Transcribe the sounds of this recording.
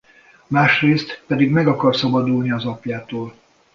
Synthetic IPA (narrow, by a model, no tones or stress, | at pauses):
maːʃreːst̪pɛd̪iɡmɛɡɒkɒrsɒbɒd̪ulniɒzɒpjaːt̪oːl